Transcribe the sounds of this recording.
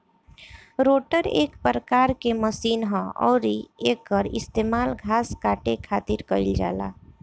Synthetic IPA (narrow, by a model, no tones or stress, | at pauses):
ɾoːʈəɾḛːkpɾəkaːɾkeməsiːnɦɔ̃ɔ̰ːɾieːkːəɾɪ̰st̪eːmaːlɡʱaːskaːʈekʰaːt̪ɪɾkəɪld͡ʒa̰ːla̰ː